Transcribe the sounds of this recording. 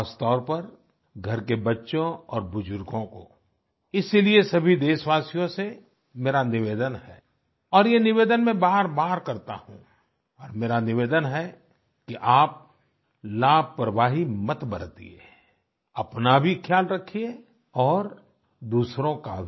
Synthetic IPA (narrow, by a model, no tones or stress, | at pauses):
st̪ɔːɾpɐɾ | ɡʱɐɾkebɐtːʃõɔːɾbʊd͡ʒʊɾɡõko̰ | ɪsiliesɐbʱid̪eːʃʋaːsijõse | meːɾanɪʋeːd̪ənhɛː | ɔːɾjenɪʋeːd̪ənmẽbaːɾbaːɾkɐɾt̪a̰hṵ̃ | ɔːɾmeːɾanɪʋeːd̪ənɦɛ | kiʔaːp̚ | laːb̚ʱpɾəʋaːɦimɐt̪bəɾt̪ḭḛ | ɐpnabʱikʰjaːlɾɐkʰie | ɔːɾ | d̪uːsɾõkabʱ